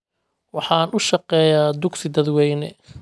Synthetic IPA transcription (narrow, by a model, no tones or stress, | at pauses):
wɑħɑːnʊʃɑqɛːjaːd̪ʊksɪd̪ɐd̪wɛjnɛ̰